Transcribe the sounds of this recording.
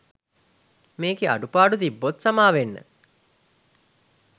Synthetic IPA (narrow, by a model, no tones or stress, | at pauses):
meːɡea̰ɖupaːɖut̪ibːot̪samaːʋenːə̰